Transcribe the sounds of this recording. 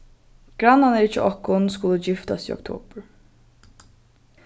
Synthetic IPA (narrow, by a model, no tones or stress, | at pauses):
ɡ̥ɾanːanəɾɪt͡ʃːəɔkːʊnskʊlːəd͡ʒɪft̪asḭɔ̰k̚t̪ʰo̰ːb̥əɾ